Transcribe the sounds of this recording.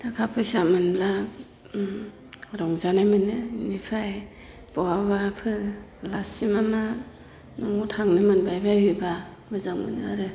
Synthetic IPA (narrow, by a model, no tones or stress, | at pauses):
d̥akʰapʰɯsamɯnbla | ɾɔŋzanajmɯnɯnipʰaj | b̥ɔwaβapʰɯlasimama | nɔŋutʰaŋnɯmɯnbajbajɯba | mɯzaŋmɯ̰nɯ̰aɾɯ